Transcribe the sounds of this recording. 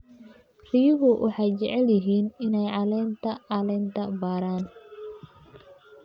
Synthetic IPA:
rɪjʊɣʊwʔɑ̰ħɑjt͡ʃɛʕɛljɪɦiːnɪnɛjʕɑlɛːnt̪ʰɐʕɑlɛːnt̪ʰɐbaːɾaːn

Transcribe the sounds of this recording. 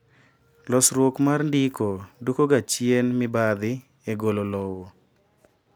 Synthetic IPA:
lɔsɾwokmarndikodukoɡat͡ʃjenmɪbad̪ɪ | eɡololɔwo

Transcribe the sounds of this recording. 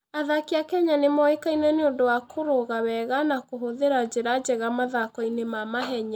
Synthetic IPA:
aðakeakɛɲanemɔekainɛneondowakʰoɾoɣawɛɣanakoɦoðeɾad͡ʑeɾad͡ʒɛɣamaðakɔinemamaɦɛɲa

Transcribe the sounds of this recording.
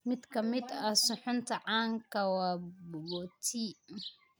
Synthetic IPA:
mɪd̪kʰɐmɪd̪ɐsʊħʊnt̪ʰɐʕɑːŋkʰɐwɑːbbɔt̪ʰi

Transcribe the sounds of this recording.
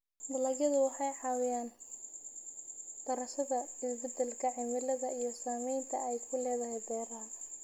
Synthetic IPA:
d̪ʊlɐɡjɐðʊwɑħɑjʕɑːwɪjaːn | d̪̥ɐɾɐʃɐðɐɪsbɛd̪ɛlkʰɐʕɪmɪlɐðɐijɞsaːmɛjnt̪ʰɐɛjkʰʊlɛːðɐhɛjd̪ɛːɾaːl

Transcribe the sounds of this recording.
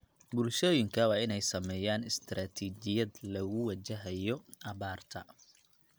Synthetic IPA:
bʊlʃɔːjɪŋkʰɐwɑːɪnɛjsɐmɛːjaːnɪst̪ʰɾaːt̪ʰiːt͡ʃɪjɐd̪lɐɣʊwɑt͡ʃɐɦɐjɔʔɐβaːrt̪ʰɐ

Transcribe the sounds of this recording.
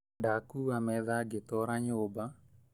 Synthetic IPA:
ndakuamɛðaɡetɔɾaɲoːba

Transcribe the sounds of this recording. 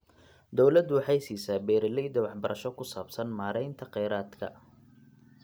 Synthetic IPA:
d̪ɔwlɐd̪wɑħɑjsiːsaːbɛːɾɪlɛjd̪ɐwɑħbɐɾʔɐʃɔkʰʊsaːbsɐnmaːɾɛjnt̪ʰɐqɛjɾaːd̪kʰɐ̰

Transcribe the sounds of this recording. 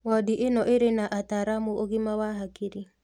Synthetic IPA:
wɔdiʔenɔʔeɾenaʔataɾamuoɣimawaɦakiɾi

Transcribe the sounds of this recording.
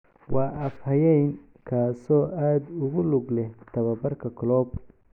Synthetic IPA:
wɑːʔɐfhɐjɛjn | kʰaːsɔːʔaːd̪ʊɣʊlʊɡlɛht̪ʰɐβɐbɐrkʰɐkʰɔlɔːb

